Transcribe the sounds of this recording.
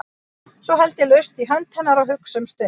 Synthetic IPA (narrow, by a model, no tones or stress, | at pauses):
sɔɦajlt̪ɪlœɥst̪iɦœnt̪hɛnːaɾawɦʏksʏmst̪ʏ